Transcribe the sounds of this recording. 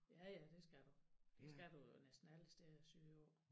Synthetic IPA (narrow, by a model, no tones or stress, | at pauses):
jæjæd̥e̝sɡ̥æd̥ud̥esɡ̥æd̥unesd̥n̩æləsd̥esyːɒ̰ː